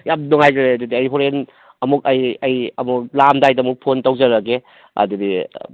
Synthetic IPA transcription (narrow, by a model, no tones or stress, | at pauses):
jamnɔŋajɡɾeɐdudiɐjɦoɾen | ɐmuk̚ɐjɐjɐmuk̚lamdajdɐmuk̚pʰontɐwzɐɾɐke | ɐ̰dudi